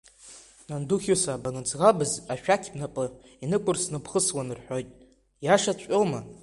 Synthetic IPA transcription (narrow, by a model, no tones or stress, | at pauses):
nanduχʲosaːbanɨt͡sʰʼʁabɨzaʃᶣakʲʰbnapʼɨ | inɨkʷʼʊrsnɨpʰχəswanɨrħʷᶣo̞jtʼ | jaʂat͡ɕt͡ʃʷʼoma